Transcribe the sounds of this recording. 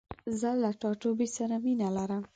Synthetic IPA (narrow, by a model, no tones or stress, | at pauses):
zəlaʈɑʈobesaɾaminalaɾəm